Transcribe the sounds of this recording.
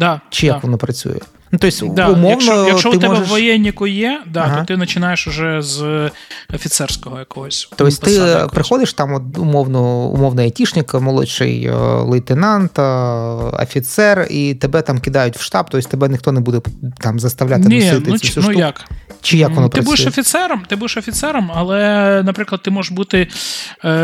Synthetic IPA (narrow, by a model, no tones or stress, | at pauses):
d̪at͡ʃɪjɐʋɔnɔpɾɐt͡sʲṵjɛ̰ | nʊt̪osʲd̪ʊmɔɐwnɔjɐɔɪmt̪ɛɔɛʒeʃʋɔjɛnʲːikʊjɛd̪atɦ̪ɔt̪ɪnɐt͡ʃɪnɑjeʃʊʒɛz | ɐfʲɪt̪sɛrsʲkɔɦɔjɐkɔɦɔsʲt̪ɔjsʲtʲtt̪ɪpɾɪxɔd̪ɪʃt̪ɑmɔt̪̚ʊmɔwnɔʊ̰mɔwnɐɐtʲiʃnʲɪkɐmɔlˠɔ̰ʃɪ̰j̰lˠɪt̪ɪnɑnt̪ɐɐ̰fʲit̪sɛrit̪ebɛt̪ɑmkɪd̪ɑjʊtʲwʃt̪ɑb̚t̪ɔsʲt̪ebɛnʲɪxt̪ɔnɛbud̪ɛt̪ɑmzɐst̪ɐʋlʲat̪ɪnʲiɪt̪ɪsʲunujakt͡ʃɪjakʋɔnɔpɾɪɐbud̪ɪʃɔfʲit̪sɛɾɐmt̪ɪbud̪eʃɐfʲit̪sɛɾɐmɐlˠɛnɐpɾɪklˠɐd̪̚t̪ɪmɔʒeʃbut̪ɪ